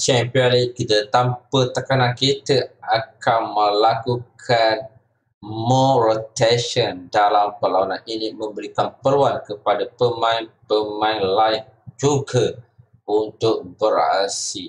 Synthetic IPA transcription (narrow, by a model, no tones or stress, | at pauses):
t͡ʃɛmpiɔnliʔ̚kit̪ət̪ampət̪akanãnkit̪əakanmə̃lakukʰan | mɔɾot̪ɛnʃəndalampəlawanãninĩmə̃mbəɾikanpəluankəpadapəmãɪnpəmãɪnlaɪn | d͡ʒuɡə | unt̪ʊk̚bəɾa̰si